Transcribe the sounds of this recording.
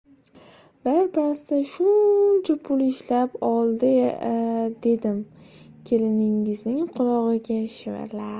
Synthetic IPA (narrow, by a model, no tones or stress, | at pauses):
baɾpɾasɪt̪aʃʊnt͡ʃʰapʰʊlɪʃlapɒlˠd̪ɪ | d̪e̞d̪ɪm | kʲʰe̞lɪnɪŋɪznɪŋqʰʊlˠɒʁɨɡʲaʃɪva̰ɾla